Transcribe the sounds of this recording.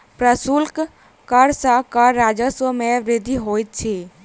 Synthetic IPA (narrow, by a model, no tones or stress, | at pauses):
pɾəsulk | kəɾsakəɾɾaːd͡ʒəsəmẽʋɾed̪ʱiɦoːjt̪̚t͡ʃʰe